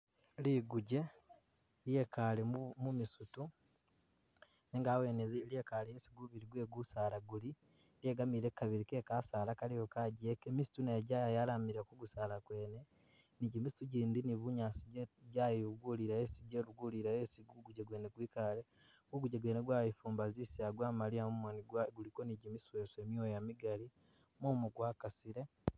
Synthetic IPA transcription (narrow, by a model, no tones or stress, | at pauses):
liɡuɟe̞ | lje̞kalemumisutu | neŋɡaweːnezljekalijesiɡuβiɾiɡwe̞ːɡusaːlaɡuli | ljeːɡamiːɾekaβiɾikeːkasaːlakalijokaɟekemisu̥tuneːɟajajalamiɾekuɡusaːlakwe̞ːne | niɟimisuɟiːndiniβuɲaːsiɟɟajuɡuliɾaesiɟeɾuɡuliɾajesiɡuɡuɟeɡweːneɡwiːkale | ɡuɡuɟeɡwe̞ːneɡwaːjifuːmbazisiaɡwaːmaliaumoniɡulikoniɟimiswe̞se̞miojamiɡali | momuɡwaːkasiɾe̞